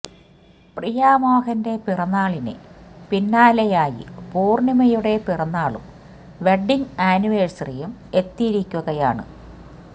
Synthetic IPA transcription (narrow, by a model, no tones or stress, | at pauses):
prijaːmaːɣɐnde̞pirɐnːaːɭinɨ̰pinːaːlɐjaːjḭpuːrnimɐjuɽe̞pirɐnːaːɭṵm | ʋe̞ɖːiŋaːnuʋeːɻsrijume̞t̪ːiɾikʲːuɣɐjaːɳɨ̰